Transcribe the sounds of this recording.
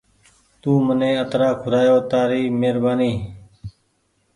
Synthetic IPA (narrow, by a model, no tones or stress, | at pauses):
t̪uːmənẽːət̪ɾaːkʰʊɾaːjoːt̪aːɾiːmeːɾbaːniː